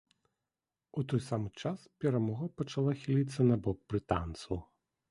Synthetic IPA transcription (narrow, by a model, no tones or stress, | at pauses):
ut̪ɔjsamɨt͡ʂaspʲɛɾamɔɣɐpɐt͡ʂalˠaxʲilʲit̪sːɐnɐbɔk̚b̥ɾɨt̪a̰nt̪sɐw